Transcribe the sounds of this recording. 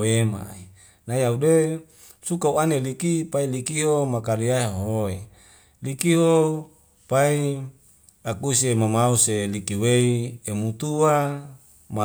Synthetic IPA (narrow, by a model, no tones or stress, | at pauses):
ema̰i | najaude | sukauanelikipailikiɦomakaɾiaoɦoe | likiɦo | pai | akusemamauselikiweiemut̪uwa | ma